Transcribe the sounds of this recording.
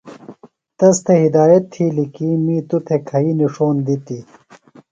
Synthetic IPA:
t̪ɐst̪ʰeɦid̪aːjɐt̪ʰːiːlikiːmiːt̪ut̪ʰekʰɐiniʂoːnd̪it̪i

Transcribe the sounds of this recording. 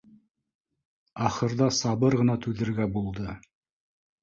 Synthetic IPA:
ɑχɤ̆ɾðɑsɑβɤɾʁɤ̆nɑt̪ʉðɘ̆ɾɡæbulˠd̪ɤ

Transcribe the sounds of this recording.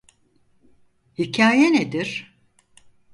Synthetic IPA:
hicʰaːjened̪iɾ̥

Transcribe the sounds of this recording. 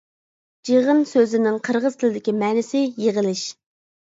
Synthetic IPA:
d͡ʒeʁənsøzɪnɪŋqʰəɾʁəz̥t̪ʰɪlɪd̪ɪkʲimɛːnɪsɪjeʁəlˠɪʃ

